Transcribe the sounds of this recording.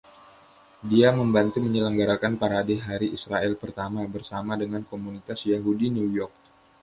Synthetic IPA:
diaməmbant̪uməɲələŋɡaɾakanpaɾadɛɦaɾiisɾaɛlpərt̪amabərsamadəŋankomunit̪asjaɦudinujɔrk̚

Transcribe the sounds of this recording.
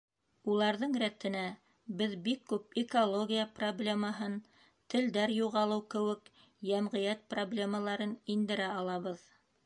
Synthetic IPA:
ulˠɑɾðɤɴɾæt̪ɘ̆næ | bɘðbikːʉp̚ɪkolˠoɡʲijaproblʲeməɦɤn | t̪ɘ̆ld̪æɾjuʁɑlˠɤwkɘ̆wɘ̆k | jæmʁɤ̆jæt̪̚problʲe̞məlˠɑɾɤnind̪ɘ̆ɾæɑlˠɑβɤð

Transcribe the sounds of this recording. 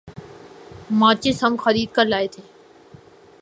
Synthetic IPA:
mãːt͡ʃeːsəmxəɾiːd̪̚kəɾlaːet̪ʰeː

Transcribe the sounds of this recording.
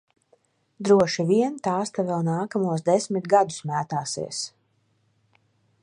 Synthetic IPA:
d̪ɾuɔʃiviɛnt̪aːst̪avɛlˠnaːkamuɔsd̪ɛsmit̪ɡad̪u̥smæːt̪aːsḭɛs

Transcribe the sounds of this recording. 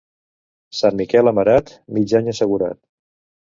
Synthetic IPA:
sanmikɛləməɾat̪ | mid͡ʒaɲəsəɣuɾa̰t̪

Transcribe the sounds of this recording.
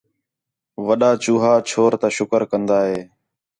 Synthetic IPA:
ʋəɗaːt͡ʃuːɦaːt͡ʃʰoːɾt̪aːʃʊkəɾkənd̪aːɦeː

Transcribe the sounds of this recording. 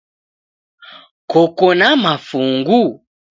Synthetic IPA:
kɔkɔnamafuŋɡu

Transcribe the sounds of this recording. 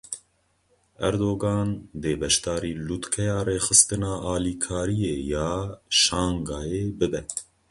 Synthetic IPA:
ɛɾd̪oːɡɑːnd̪eːbɛʃt̪ɑːɾiːlut̪kʰɛjɑːreːxɨst̪ɨnɑːʔɑːliːkʰɑːɾijeːjɑːʃɑːŋɡɑːjeːbɨbɛ

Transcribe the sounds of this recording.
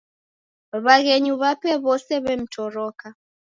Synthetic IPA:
βaɣɛɲuβapɛβɔsɛβɛm̩tʰɔɾɔka

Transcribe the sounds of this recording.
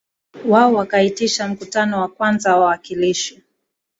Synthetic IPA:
waɔwakaitiʃam̩kutanɔwakwanzawawakiliʃi

